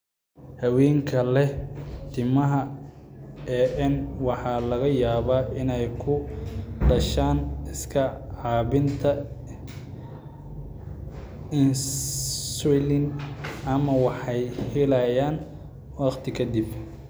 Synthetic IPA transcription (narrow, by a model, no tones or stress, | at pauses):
hɐwɛːŋkʰɐlɛt̪ʰɪmɐɦɐ | ɛːʔɛnwɑħɑlɐɣɐjaːβaːʔɪnɛjkʰʊɖɐʃaːnɪskʰɐʕɑːβɪnt̪ʰɐ | ɪn | sɔlɪnɐmɐwɑħɑjhɪlɐjaːn | wɑqt̪ʰɪkʰɐd̪ib